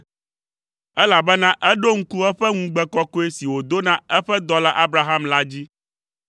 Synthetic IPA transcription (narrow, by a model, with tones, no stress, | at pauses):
ɛ˦la˨bɛ˦nã˦ʔɛ˦ɖo˦ŋ̩˦ku˦ɛ˦ɸɛ˦ŋũ˦ɡ͡bɛ˦kɔ˦ko˦e˦si˨wo˨d̪o˦nã˦ɛ˦ɸɛ˦d̪ɔ˦la˦ʔa˦bɾa˨ɦa˦mla˦d͡ʑi˦